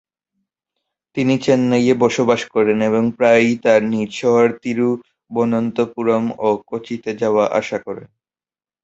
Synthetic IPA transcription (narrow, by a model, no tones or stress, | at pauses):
t̪init͡ɕenːajebɔʃobaʃkɔɾeneboŋpɾajt̪aɾniɾʃɔɦaɾt̪iɾu | bonont̪opuɾomokot͡ɕit̪ed͡ʑaoaʔa̰ʃakɔɾen